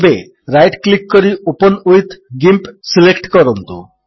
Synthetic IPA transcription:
be | ɾajʈklikːɔɾiopɔnujt̪ɡimpsilekʈkɔɾɔnt̪ṵ

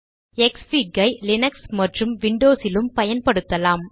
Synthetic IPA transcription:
ɛksfiːɡɐɪlɪnɐksmɐʈrɯmʋɪɳɖoːsɪlɯmpɐjɐnpɐɽɯt̪ːɐlaːm

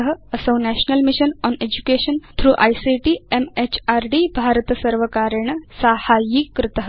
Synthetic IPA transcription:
əɦəəsə̃wnæɕnəlmiʃənɔned͡ʑukeʃənt̪ʰɾuːʔa̰jsiʈiemet͡ɕaɾɖibʱaɾt̪əsəɾʋəkaɾəɳ̃əsahajikːɾɪt̪əɦə

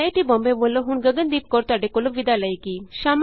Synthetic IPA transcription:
eʈibɔmbeboloɦunɡəɡənd̪ip̚kɔɾt̪aɖekolobid̪alajkiʃam

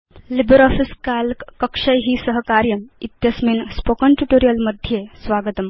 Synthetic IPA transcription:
libəɾɔfiskalkkəkʂəjɦiːsəɦkaɾjəmit̪jəsmiːnspokənʈuʈoɾijəlməd̪ʱjesʋaɡət̪əm

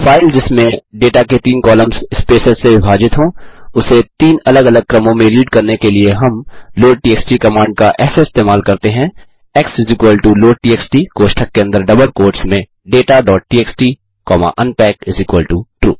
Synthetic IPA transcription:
fʰaːɪld͡ʒɪsmẽɖeːʈaket̪iːnkɔːləmzɪspeːsəzseʋɪbʱaːd͡ʒɪt̪ɦõːʊset̪iːnɐləɡɐləɡ̚kɾɐmõmẽliːɖkɐɾnekelieɦɐmloːʈiːeːksʈikɐmãːɳɖ̚kaʔɛːsaɪst̪eːmaːlkɐɾt̪eɦɛ̃ː | ɛksɪzɪkʋəlʈuloːɖʈiːeːksʈikoːʃʈʰəkːeɐ̃nd̪əɾɖɐbəlkoːɾʈsmẽ | ɖeːʈaɖɔːʈ̚ʈiːeːksʈi | kɔːma̰ʔɐ̃npɛːkɪzɪkwəlʈuʈɾṵː

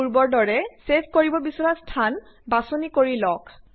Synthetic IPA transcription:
uɹbɔɹdɔɹɛsep̚ʰkoɹibɔbisɔɹastʰan | basonikoɹilɔk

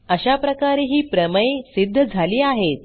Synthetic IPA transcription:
əɕapɾəkaɾeɦiːpɾəməesid̪ʱːəd͡zʱaliːaɦet̪̚

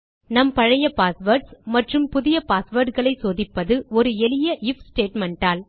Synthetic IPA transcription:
nɐmpɐɻɐjɐpaːsʋɐɾʈsmɐʈrɯmpʊðɪjɐpaːsʋɐɾʈɣɐɭɐɪsoːðɪpːɐðɯɔɾɯɛlɪjɐʔɪfsʈeːʈmɛɳʈaːl

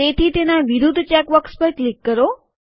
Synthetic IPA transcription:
et̪ʰit̪enaʋiɾud̪ʱt͡ʃɛkʋəkspəɾklikːəɾo

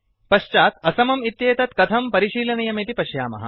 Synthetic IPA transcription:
pɐʃt͡ʃaːt̪ɐsɐmɐmit̪jeːt̪ɐt̪kɐt̪ʰɐmpɐɾiʃiːlɐnɐjɐmit̪ipɐʃjaːmɐ̰ɦɐ̰

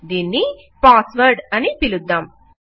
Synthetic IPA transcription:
d̪iːnːi | paːsʋɐɾɖɐnipilud̪ːam

